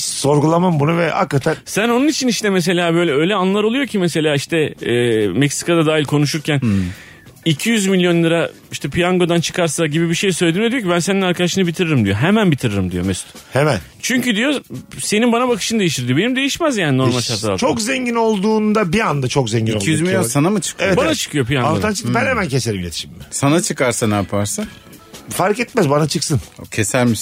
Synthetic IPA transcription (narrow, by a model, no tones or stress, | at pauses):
so̞ɾɡulˠamɯmbunuvɛha̰kːat̪ʰænsæno̞nunit͡ʃʰiniʃt̪ʰɛmes̬e̞lʲaːbø̞jlʲɛø̞jlʲɛanlˠaɾolˠujo̞cʰimese̞lʲaːiʃt̪ʰɛː | mɛcsi̥kad̪ad̪aːɦilʲkʰo̞nuʃ̬uɾcʰæn | icʰijyzmilʲijo̞nlˠɯɾa | iʃt̪ʰɛpʰijaŋɡo̞d̪ant͡ʃʰɯ̥kʰaɾsaɟibibiʃejsø̞jʲd̪iːmed̪ijocibæns̬eninaɾkʰad̪aʃɯnɯbit̪ʰiɾeɾimd̪ijo̞ɦemænbit̪ʰiɾeɾimd̪ijo̞̰mɛst̪hemæn | t͡ʃʰyɲcyd̪ijo̞se̞ninbanabakʰɯ̥ʃɯnd̪e̞jiʃt̪ʰiɾd̪ijbe̞nimd̪e̞jiʃmæzjaːnino̞ɾmalʲt̪ʰaɾaɾat͡ʃʰokzeɲɟino̞lˠd̪uːnd̪abiand̪at͡ʃʰo̞kzeɲɟinoc̪ˠijyzmilʲjjonsanamɯt͡ʃʰɯ̥kʰɯevoɛbanat͡ʃʰɯ̥kʰɯjo̞pʰijaŋoant͡ʃʰɯ̥k̪bɛnhemæncʰeseɾibilʲet̪ʰi̥ʃimmɪsanat͡ʃʰɯkʰaɾsanaapʰaɾsan | faɾkɛt̪mæzbanat͡ʃʰɯksɯncʰesælʲmiʃ